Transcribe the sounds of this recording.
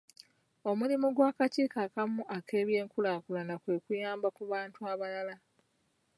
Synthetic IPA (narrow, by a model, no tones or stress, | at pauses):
o̞mulimuɡwaːkaciːkakamuʔakʰe̞ːβje̞ːŋkulakulanakwe̞ːkujaːmbakuβaːntuaβalala